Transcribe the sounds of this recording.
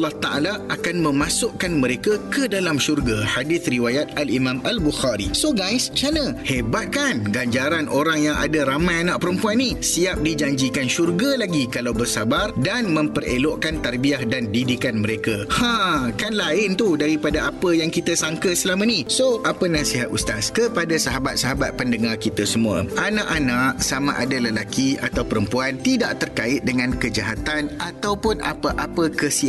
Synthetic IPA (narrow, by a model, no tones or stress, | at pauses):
lːɑht̪aʔa̰laʔakanmə̃mãsʊʔkanmə̃ɾekakədalamʃurɡahadɪθriwajat̪alimãmalbuxaɾḭsoɡajst͡ʃanə̃hebat̪̚kanɡaɲd͡ʒaɾanʔoɾaŋjaŋa̰daɾamãjanãʔpəɾəmpuanːĩsiap̚did͡ʒaɲd͡ʒikanʃurɡalaɡikalawbərsabardanmə̃mpərḛloʔkant̪arbiahdandidikanmə̃ɾekahãkanlaɪnt̪udaɾipadaapəjaŋkit̪asaŋkəsəlamanisoʔapənãsiɦat̪̚ust̪askəpadasaɦabat̪̚saɦabat̪̚pəndəŋarkit̪asəmũə̰ʔanãʔanãʔsama̰ʔadaləlakia̰t̪awpəɾəmpuant̪idaʔt̪ərkaɪt̪̚dəŋãnkəd͡ʒaɦat̪anat̪awpʊna̰pəʔapəkəsia